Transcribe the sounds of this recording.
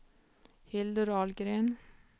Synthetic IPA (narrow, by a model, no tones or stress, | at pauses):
hɪld̪əɾɑːlɡɾeːn